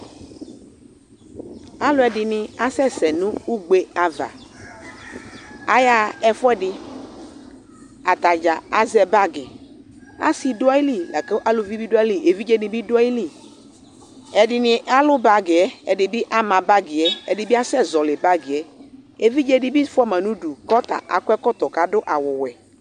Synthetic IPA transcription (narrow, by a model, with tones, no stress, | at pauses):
a˦lʊ˦ɛ˨dɪ˨nɪ̃˨a˦sɛ˦sɛ˨nũ˦u˦ɡ͡be˦a˨va̰˨ | a˦ja˨ɛ˦fɛ˦dɪ˧ | a˨t̪a˨d͡ʒa˨a˦zɛ˦ba˦ɡɪ˨ | a̰˦si˨dʊ˦a˦i˦li˦lɛ˨ke˦ʔa˦lʊ˨vi˦bi˦dʊ˦a˦li˦ʔe˨vi˦d͡ʒe˦nɪ̃˨bi˦dʊ˦a˦i˦li˦ | ɛ˨dɪ˨nɪ˨ʔa˦lʊ˦ba˨ɡɪ˨ɛ˦ɛ˨dɪ˨bɪ˦ʔa˦mã˨ba˦ɡɪ˨ɛ˦ɛ˨dɪ˨bi˦a˦sɛ˦zɔ˨lɪ˨ba˦ɡɪ˨ɛ˦e˨vi˦d͡ʒe˦dɪ˦bi˦fɔ˦mã˨nũ˦du˨kɔ˦t̪a̰˨ʔa̰˨kʊ˦ɛ˦kɔ˦t̪ɔ˨ka˨˦dʊ˦ʔa˨wʊ˨wɛ˨